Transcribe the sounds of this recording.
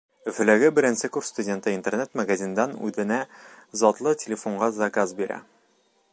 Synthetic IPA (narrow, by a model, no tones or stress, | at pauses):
ɵ̆fɘ̆læɡɘbɘ̆ɾɘ̆nsɘkuɾst̪udʲe̞nt̪ɤint̪ernet̪mɐɡazʲind̪ɑnʉ̰ðɘ̆næzɒt̪lˠɤtʲeɪlʲɪfo̞ɴɢɑzɐkazbiɾæ̰